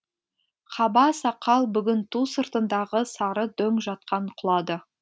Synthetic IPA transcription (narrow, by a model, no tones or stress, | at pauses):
χʰɑbɑsɑqːɑlˠbʏɡʲɪnt̪ʰusəɾt̪ənd̪ɑʁəsɑɾəd̪ɵŋʒɑt̪̚qɑɴqʰʊlˠɑd̪ə